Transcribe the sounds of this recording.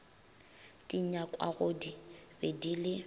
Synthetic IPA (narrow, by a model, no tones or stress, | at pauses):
tiɲakʼwa̰ɣodibedilɪ